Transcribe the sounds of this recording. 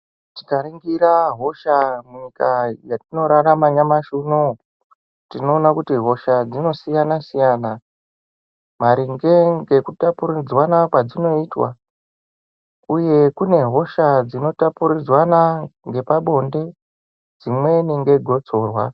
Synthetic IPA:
ti̥kariŋɡiɾaɦo̞ʃamuɲikajatino̞ɾaramaɲamaʃuno | tino̞ːnakutiɦo̞ʃad͡zino̞sijanasijana | maɾiŋɡe̞ŋɡe̞kutapurid͡zwanakwad͡zino̞iːtwa̰ | uje̞kune̞ɦo̞ʃad͡zino̞tapuɾid͡zwanaŋɡe̞paɓo̞nde̞ | d͡zimwe̞niŋɡe̞ɡʱo̞d͡zo̞ːrwa̰

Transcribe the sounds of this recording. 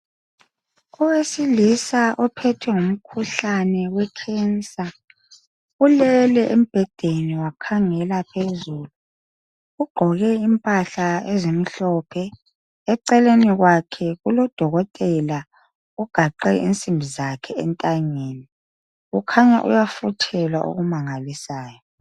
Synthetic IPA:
ɔwesilisaʔɔpʰɛtʰwɛŋum̩kʰuɬanɛwɛkʰɛnt͡sʼa | ulɛlɛʔem̩b̥ʱɛd̥ʱeniwakʰaŋɛlapʰezuːlu | uɡ͡ǃʱɔɣɛimpʼaɬaezemiɬɔpʰɛː | ǀɛleniɣwakʰɛɣulɔd̥ʱɔɣɔtʼɛla | uɡ̥ʱaǃɛʔḭnt͡sʼimbʱizakʰɛɛ̰ntʼaŋeːni | ukʰaɲa̰ʔṵjafutʰɛlwa̰ʔo̰ɣumaŋalisaːjɔ

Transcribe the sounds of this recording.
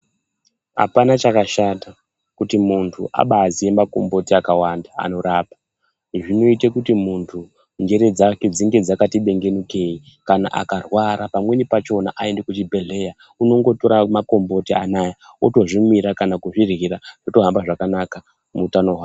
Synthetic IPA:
ɦa̰panat͡ʃakaʃata | kutimuntʰuʔa̰ɓazije̞mako̞̰mbo̞tiakawanda̰ːno̞ɾaːpḁ | ʐino̞itekutimuntʰu | nɡe̞ɾe̞d͡zaked͡ziŋɡe̞d͡zakatiɓe̞ŋɡe̞nuke̞i | kana̰ʔa̰karwaɾapamwe̞nipat͡ʃo̞na̰ʔaende̞kut͡ʃibʱe̞ɮe̞ja | uno̞ŋɡo̞to̞ɾamako̞mbo̞tianaja | oto̞ʐimwiɾakanakuʐirɣiɾaʐ̥oto̞ɦambaʐakanaka | muːtanoɦwaː

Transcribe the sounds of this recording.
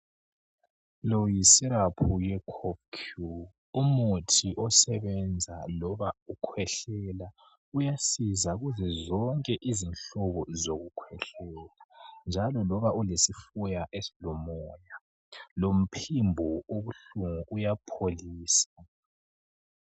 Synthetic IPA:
lɔjisiɾapʰujɛkʰɔp̚kʰu | umutʰiʔɔsɛβɛnd͡zʱalɔβaukʰwɛɬɛla | ujasizaɣuzɛzɔŋkʼɛʔizinɬɔβɔzoɣukʰwɛɬɛːland͡ʒʱalɔlɔβaulesifujaʔesilɔmɔːja | lom̩pʰimbʱuoβuɬuŋuʔujapʰoliːsa

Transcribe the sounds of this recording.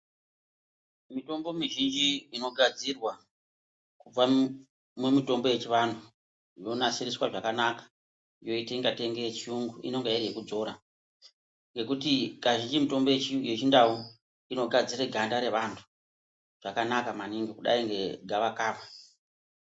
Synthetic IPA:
mito̞mbo̞miʒind͡ʒiino̞ɡʱad͡zirwa | kub͡va | mumito̞mbo̞je̞t͡ʃiʋandʰu | jo̞nasiriswaʐakanakḁ | jo̞iteiŋɡate̞ŋɡet͡ʃiuŋɡuḭno̞ŋɡairjekud͡zo̞ɾa | ŋɡe̞kutikaʒind͡ʒimito̞mbojejet͡ʃindau | ino̞ɡʱad͡zireɡʱandaɾe̞ʋantʰu̥ | ʐ̥akanakamaniŋɡikuɗa̰iŋɡe̞ɡʱaʋakaːfa

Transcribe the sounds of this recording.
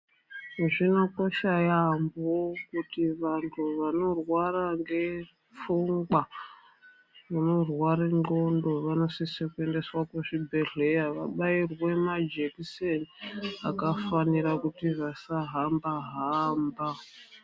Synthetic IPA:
ʐino̞ko̞ʃajambokutiʋantʰuʋano̞rwaraŋɡe̞ | fuŋɡwa | muno̞rwaɾeŋ͡ǃondo̞ʋano̞sisekue̞nde̞swakweʐibʱe̞ɮe̞jaʋaɓairwe̞mad͡ʒeksenia̰kafaniɾakutiʋasaɦambaɦamba

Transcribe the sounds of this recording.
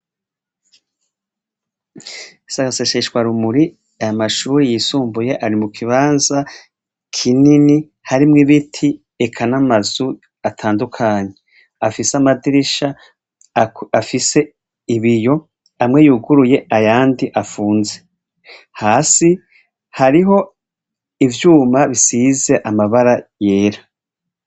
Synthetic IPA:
saɡaseʃeʃɡwaɾumuɾi | ajamaʃuːɾijisuːmbujeʔaɾimukʰiβaːnza | kʰinini | haɾimŋiβitʰi | ekʰanamazu | atʰaːndukʰaɲe̞ | afisamadiɾiʃa | afise̞ | iβijo̞ | amŋe̞juɡuɾuje̞ajaːndiʔafuːnze̞ | haːsi | haɾiɦo̞ | ivjuːmaβisize̞ʔamaβaɾajeːɾa

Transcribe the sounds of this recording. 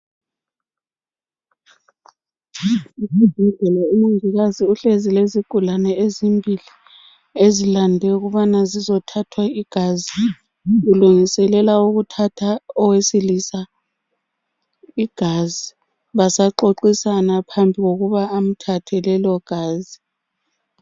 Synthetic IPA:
izibʱiɮɛlaumuŋiɣaziuɬezileziɡ̥ʱulanɛezimbʱili | ezilandʱɛuɣuβanazizɔtʰatʰwaiɡ̥ʱazi | ɣuluŋisɛlɛlauɣutʰatʰaɔwesilisa | iɡ̥ʱazi | βasaǃoǃisanapʰambʱiɣoɣuβaːm̩tʰatʰɛlɛlɔɡ̥ʱaːzi

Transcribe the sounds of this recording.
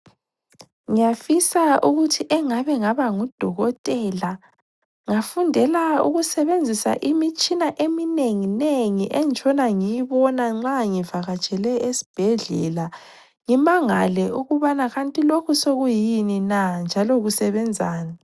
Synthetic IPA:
ŋijafisauɣutʰiʔɛŋaβɛŋaβaŋud̥ʱɔɣɔtʼɛla | ŋafundʱɛlaṵɣusɛβend͡zʱisa̰ʔimit͡ʃʼinaʔemineŋineŋiʔɛnt͡ʃʼɔnaŋijiβɔnaŋ͡ǁaŋivaɣat͡ʃʼɛlɛesi̥b̥ʱɛɮɛ̰la | ŋimaŋalɛuɣuβanaɣantʼilokʰusoɣujininand͡ʒʱaloɣusɛβɛnd͡zʱaːna

